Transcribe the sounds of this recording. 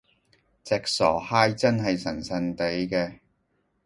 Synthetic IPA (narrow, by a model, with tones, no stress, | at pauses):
t͡sɛː˨k̚sɔː˨˩haː˥jt͡sɐ˥nɦɐ˨jsɐ˨˩nsɐ˧nt̪e˨˥jkɛː˧